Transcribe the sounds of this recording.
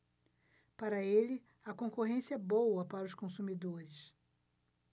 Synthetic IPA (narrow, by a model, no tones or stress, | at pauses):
paɾɐelɪ | ɐkõkoɦẽsiɛbowɐpaɾɐʊskõsumid̪oɾɪs